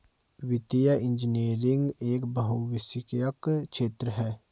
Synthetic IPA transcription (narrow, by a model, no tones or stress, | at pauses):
ʋɪt̪ijəɪ̃nd͡ʒineːɾɪŋɡeːkbɐɦuwɪsɪkjəkʃeːt̪ɾəɦɛː